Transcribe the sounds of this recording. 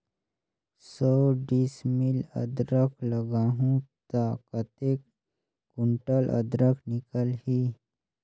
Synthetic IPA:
səɖismilə̰d̪ɾəkʰləɡaɦũt̪akət̪ekː | uɳʈəlʔə̰d̪ɾəkʰnikəlhi

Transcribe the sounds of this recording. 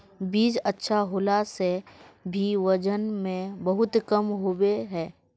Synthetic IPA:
biːd͡ʒətːʃʰaɦʊːlasebʱiʋɐd͡ʒənmẽbɐɦʊt̪kəmɦoːweɦɛː

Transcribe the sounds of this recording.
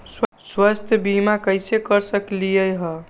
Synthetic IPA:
sswast̪ʰjbimakəjsekəɾsəklijəjɦə

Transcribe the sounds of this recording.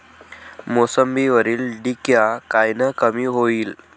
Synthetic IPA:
mosəmbiʋəɾiːlɖikjakajnəkəmiːɦoiːl

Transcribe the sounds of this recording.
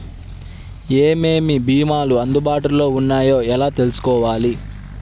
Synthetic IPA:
eːme̞ːmibiːmaːluɐnd̪ubaːʈulo̞ːunːaːjo̞ːɛlaːt̪e̞lusu̥kɔːʋaːli

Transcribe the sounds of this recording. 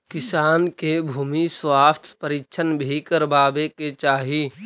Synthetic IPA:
kɪsaːnkebʱuːmiswaːst̪ʰpəɾikt͡ʃʰənbʱikəɾbaːbeket͡ʃaːɦi

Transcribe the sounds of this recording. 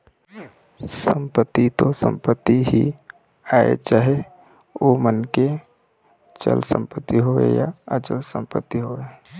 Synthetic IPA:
sə̃mpət̪ːit̪osə̰̃mpət̪ːiɦi | aːḛt͡ʃaːɦe | ʋomənke | t͡ʃə̰lsə̰̃mpət̪ːiɦoḛja̰ət͡ʃəlsə̃mpət̪ːiɦoe

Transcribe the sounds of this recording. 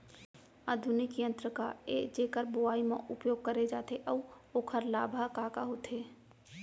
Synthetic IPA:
ad̪ʱʊnɪkijə̃nt̪ɾəkaed͡ʒeːkəɾboaːimḛ̃ʔʊpjoːɡ̚kəɾed͡ʒaːt̪eʔəuoːkʰəɾlaːbʱakakaɦoːt̪ʰeː

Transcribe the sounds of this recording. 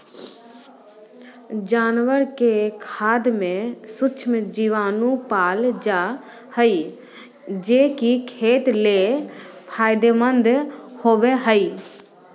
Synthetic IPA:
d͡ʒaːnʋəɾkekʰaːd̪mẽsʊt͡ʃʰmd͡ʒiʋaːnũpaːld͡ʒaː | həiː | d͡ʒeːkikʰeːt̪lepʰaːjd̪eːmə̃nd̪hoːʋeɦəiː

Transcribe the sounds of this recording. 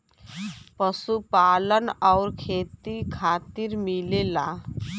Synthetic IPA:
pəsupalənɔʊɾkʰeːt̪ikʰaːt̪iɾmilela

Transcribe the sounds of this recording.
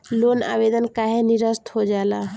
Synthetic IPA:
loːna̰ːʋeːd̪ənkaːɦenɪɾəst̪hod͡ʒaːlaː

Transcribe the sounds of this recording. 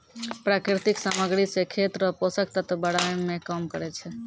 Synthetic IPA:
pɾakɾɪt̪ɪksaməɡɽisekʰet̪ɾəposəkt̪ət̪bəɽajmẽkəmkəɾet͡ʃʰe

